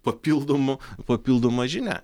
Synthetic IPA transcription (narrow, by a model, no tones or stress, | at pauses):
pɐpʲiːlˠd̪omʊpɐpʲilˠd̪omɐʒʲɪnʲæ̰